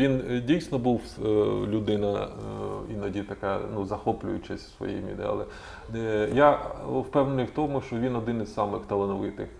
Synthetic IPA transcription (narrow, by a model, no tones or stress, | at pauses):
ʋʲindʲijsʲnɔbuwlʲʊd̪ɪnɐ | inɐdʲit̪ɐkɑnuzɐxɔplʲʊ̰jʊt͡ʃɪsʲsʋɔ̰jḭmʲḭd̪ɛ̰ɑ̰lˠɛ̰ | jawpɛwnenʊjwt̪ɔmʊʃt͡ʃɔʋʲinɔd̪ɪnɪzsɑmɪxt̪ɐlˠɐnɔʋɪt̪ɪ̰x